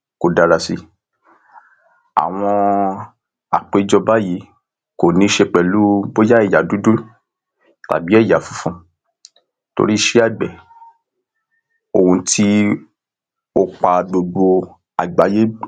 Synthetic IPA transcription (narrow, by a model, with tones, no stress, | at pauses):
ko˨da˨ɾa˨si˧ | a̰˨w̃ɔ̃˧ | a˨k͡pe˧d͡ʒɔ˧ba˦ji˨˦ | ko˨nĩ˧˦ʃe˧k͡pɛ˨lu˨˦bo˦ja˦ɛ˦˨ja˨du˦do˦ | ta̰˨bi˨˦ɛ˦˨ja˨fũ̥˨˦fũ˧ | to̰˧ɾi˦ʃe˦a˦˨ɡ͡bɛ˨ | o˨ũ˧ti˦ | o˧k͡pa˧ɡ͡bo˧ɡ͡bo˧ | a˨ɡ͡ba˨˦je˦